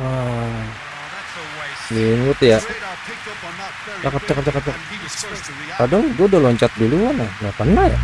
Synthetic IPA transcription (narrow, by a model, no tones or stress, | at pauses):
a | linʊt̪ja | t͡ʃakap̚t͡ʃakap̚t͡ʃakap̚t͡ʃaka | kadaŋɡuadalɔɲt͡ʃat̪̚duluanajapənːaja̰